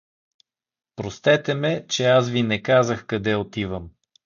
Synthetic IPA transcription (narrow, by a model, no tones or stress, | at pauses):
pɾost̪ɛt̪ɛmɛt͡ʃɛas̬vinɛkazəxkɐd̪ɛot̪ivəm